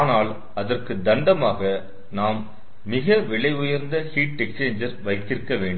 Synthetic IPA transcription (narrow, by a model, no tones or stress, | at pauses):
naːl | ɐðɐrkɯd̪ɐɳɖɐmaːɣɐ | naːmː | ɪɣɐʋɛɭɐɪʊjɐɾnd̪ɐhiːʈ̚ːɛkst͡ʃeːɲd͡ʒɐɾʋɐɪk̪ːɪrkːɐʋeːɳɖɯ